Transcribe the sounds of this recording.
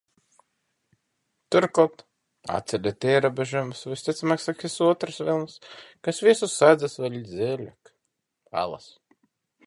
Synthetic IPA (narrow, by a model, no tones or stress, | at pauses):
t̪uɾkɔt̪ | a̰t̪ʲsʲɛd̪ʲet̪ʲiɛɾobeʒumsvsʲt̪ʲit̪smaksaksʲisuɔt̪ɾɨsvilˠnskasvʲiɛsusad̪zasvɛlʲizʲɛːlʲak | a̰lˠa̰s